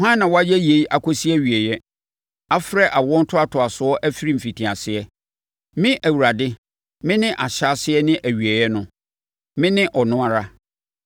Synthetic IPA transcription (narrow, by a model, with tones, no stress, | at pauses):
ɦã˦nː˦ã˨wɔ˦a˦jɛ˦je˨˦i˦ʔa˨kʰo˦si˦ɛ˦˨ɥi˨ɛ˨jɛ˦ | a˦fɾɛ˦ʔa˨wɔ̃˦n̩˦tʰʊ˦a˦tʰʊ˨a˨sʊ˨˦ɔ˦ʔæ˦fi˦ɾi˦m̩˨fi˨tʰĩ˨a˨sɪ˨ɛ˦ | mɪ̃˦ʔæ˨wu˨ɾa˨dɪ˦ | mɪ̃˦nɪ̃˦ʔa˨ɕa˦sɪ˦ɛ˦nɪ̃˦ʔæ˨ɥi˨ɛ˨jɛ˦nʊ̃˦ | mɪ̃˦nɪ̃˦ʔɔ˨nʊ̃˦a˨ɾa˦